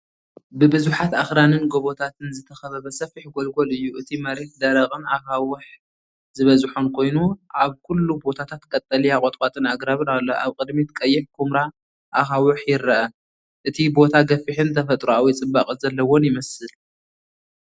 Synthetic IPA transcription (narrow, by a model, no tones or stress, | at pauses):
bɨbɨzuħat̪axɾanɨnɡo̞βo̞t̪ʰat̪ʰɨnzɨt̪ʰɐxɐβɐβɐsɐfiħɡolɡolɨjːuʔɨt̪ʰimɐɾe̞t̪̚d̪ɐɾɐχʼɨnaxawɨħ | zɨβɐzħonkʰo̞jnuʔaβkʰulːubo̞t̪ʰat̪ʰat̪kʼɐt̪ʼːɐliakʼot̪ʼkʼat̪ʼɨnaɡɾaβɨɾalːoʔaβkʼɨd̪mit̪kʼɐjːɪħkʰumɾa | ʔaxawʊħjɪɾɐʔɐ | ʔɨt̪ʰibo̞t̪ʰaɡɐfiħɨnt̪ʰɐfɐt̪ʼɾuawijt͡sʼɨbːaχʼɨzɐlːɐwonjɪmɐsɨl